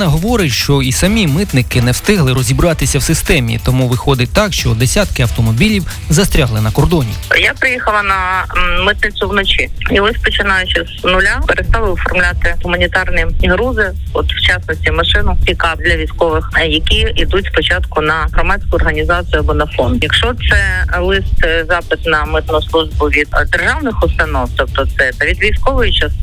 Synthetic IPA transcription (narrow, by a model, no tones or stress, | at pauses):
nɐɦɔʋɔɾɪʃt͡ʃɔisɐmʲimɪt̪nɪkɪnɛwst̪ɪɦlˠɪɾɔzʲibɾɑt̪ɪsʲɐwsɪst̪ɛmʲḭt̪ɔmuʋɪxɔd̪ɪt̪ɑkʃt͡ʃɔd̪esʲat̪kɪɐwt̪ɔmɔbʲilʲiw | zɐst̪ɾʲaɦlˠɪnɐkɔrd̪ɔnʲḭjapɾɪjixɐlˠɐnɐmɪt̪̚nɪsʊwnɔt͡ʃiiɔsʲpɔt͡ʃɪnajʊt͡ʃɪsnʊlʲapeɾest̪ɑʋˠɪwfɔrmlʲat̪ɪɦʊmɐnʲit̪ɑrniɦɾuzɪɔt̪wt͡ʃasnɔsʲtʲimɐʃɪnʊikɑb̚d̪lʲɐʋʲijsʲkɔʋɪxjɐkʲiid̪utʲspɔt͡ʃɑt̪kʊnɐɦɾɐmɑt͡sʲkʊɔrɦɐnʲizɑt͡sʲɨjʊɐbɔnɐfɔnd̪jɐkʃɔt̪sɛlˠɪst̪zɑpɪt̪nɐmɪt̪nʊjslˠuʒbʊʋʲid̪̚d̪erʒɑwnɪxʊst̪ɐnɔwt̪ɔpt̪ɔt̪sɛt̪ɐʋʲid̪ʋʲijsʲkɔʋɔjɪt͡ʃas